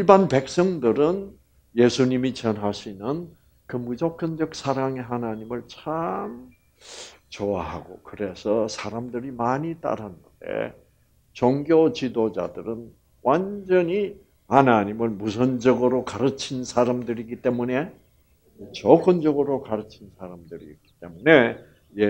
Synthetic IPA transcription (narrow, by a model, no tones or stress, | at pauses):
iɭbanpe̞k̚s͈ʌŋdɯɾɯn | je̞sʰuɲimit͡ɕʌnɦaɕʰinɯn | kɯmud͡ʑʌk͈ʰʌnd͡ʑʌk̚s͈ʰaɾaŋe̞ɦanaɲimɯɭt͡ɕʰam | t͡ɕoaɦa̰ɡokɯɾe̞sʰʌsʰaɾamdɯɾimaɲit͈a̰ɾannde̞̰ | t͡ɕʌŋɡjot͡ɕidod͡ʑa̰dɯɾɯn | wʔand͡ʑʌɲi | hanaɲimɯɭmusʰʌnd͡ʑʌɡɯɾokaɾɯt͡ɕʰinsʰaɾamdɯɾiɡit͈e̞mune̞ | t͡ɕʌk͈ʌnd͡ʑʌɡɯɾokaɾɯt͡ɕʰinsʰaɾamdɯɾḭik͈i̥t̪͈e̞mune̞ | je